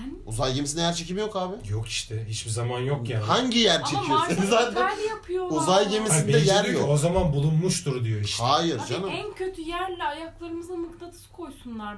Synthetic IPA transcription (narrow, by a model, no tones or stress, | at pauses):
uzajɟe̞misinɛjæɾt͡ʃʰe̞cimijo̞kaːbɪjoki̥ʃt̪ʰɛhit͡ʃbizamanjokjanhaɲɟijæɾt͡ʃʰeijozaːt̪ʰænjapʰɯjouzajɟe̞misaind̪ɛɛjæɾjokozamanbulˠunmuʃt̪ʰuɾd̪ijoiʃhaːjiɾd͡ʒanɯmæncʰøt̪ʰyjæɾlʲɛajaklˠaɾɯmɯzanɯkt̪ʰˠat̪ʰɯ̥skʰo̞jsunlˠaɾ